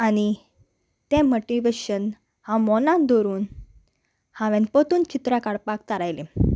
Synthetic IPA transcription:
añi | t̪ẽmoʈiʋeɕən | hãmɔnãd̪ɔɾuːn | hãʋẽnpət̪uːnt͡ɕit̪ɾakaɽpak̚t̪aɾajlẽ

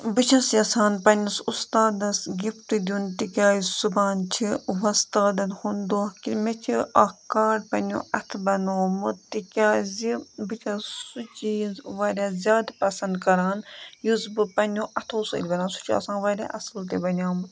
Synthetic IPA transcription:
bɨt͡ʃʰɐsjɐsaːnpɐnʲɐsust̪aːd̪ɐsɡʲift̪id̪ʲuːnt̪ikʲaːjsubaːnt͡ʃʰiʋɐst̪aːd̪ɐnhund̪oːkimet͡ʃʰiɐkaːɖpɐno̰ːɐt̪ʰbɐnoːmɨt̪ikʲaːzibɨt͡ʃʰɐsut͡ʃiʋaːɾʲaːzʲaːd̪pɐsɐ̃nd̪kɐɾaːnjuzbɨpɐnõːʔɐt̪ʰoːsɐ̰ːlʲbɐnaːnsu̥t͡ʃʰiɐ̰sãːnʋaːɾʲa̰ːʔɐslt̪̬ebɐnʲjaːm

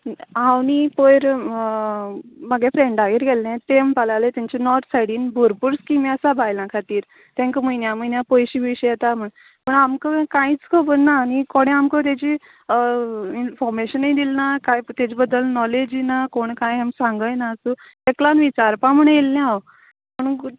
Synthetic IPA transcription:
awnipəjɾ | məɡɛ̃fɾeɳɖaɦiːɾɡelːɛ̃t̪empalalet̪jãɲt͡ɕenɔʈsaɽiːnbʱuɾpuɾskimiəsabʱajlãkʰat̪iːɾ | t̪ɛ̃ŋkmujnjaməjnjapojɕiːbiɕəjɛt̪am̤əɳ | pəɳamkəkãĩt͡skʰəbənnaːnikoɽ̃ɛ̃amkət̪̬at͡ɕi | infɔɾmeɕənːəjd̪ilnakajt̪ad͡ʑibəd̪ːəlnɔled͡ʑinakoɳkãjamsãŋɡəjnaəsu | eklanʋit͡ɕaɾpãm̤əɳ̃jelːɛ̃aw | məɳ

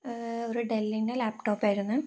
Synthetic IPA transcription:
oɾuɖelːinɖelaːpʈoːpːaːjɾunːu

